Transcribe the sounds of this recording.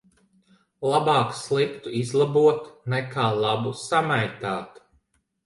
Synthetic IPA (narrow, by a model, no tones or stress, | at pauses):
lˠabɑːkslˠikt̪uizlˠabuɔt̪nɛkʰaːlˠabusamajt̪aːt̪